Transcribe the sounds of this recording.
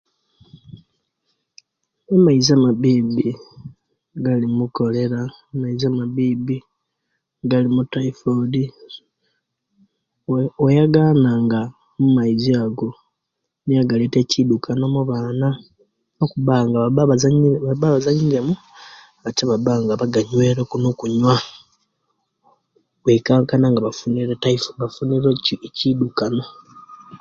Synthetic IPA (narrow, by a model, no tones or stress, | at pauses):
emaizamaβibi | ɡalimuko̞le̞ɾa | emaizamaβibi | ɡalimutaifodi | ojaɡaːnaŋɡa | mumaiziaɡo̞ | nijaɡaletecidukʰano̞muβaːna | okuβaŋɡaaaβzɲβaβaβazaɲiɾemu | ataβabaŋɡaβaɡaɲwe̞ːɾokunokuɲwa | wekaːŋkanaŋɡaβafuniɾetaifoβafuniɾececidukano̞